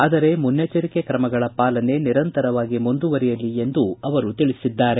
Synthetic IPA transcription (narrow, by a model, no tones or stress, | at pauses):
aːd̪ɐɾe̞munjɐt͡ʃɐɾikekɾɐmɐɡɐɭɐpaːlɐne̞niɾɐnt̪ɐɾɐʋaːɡimund̪uʋɐɾijɐlːie̞nd̪uɐʋɐɾut̪iɭisid̪ːaːɾe̞